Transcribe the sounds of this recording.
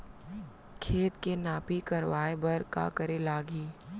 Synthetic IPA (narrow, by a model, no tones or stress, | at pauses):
kʰeːt̪kenaːpikɐɾʋaːebɐɾka̰kəɾelaːɡiː